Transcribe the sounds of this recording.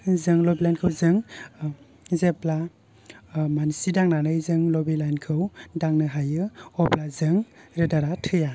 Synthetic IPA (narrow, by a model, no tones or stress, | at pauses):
zɯŋlɔbilajnkʰɯwzɯŋ | zepla | mansidaŋnanɯjzɯŋlɔbilajnkʰɯwdaŋnɯɦajɯɔplazɯŋɾɯdaɾatʰɯja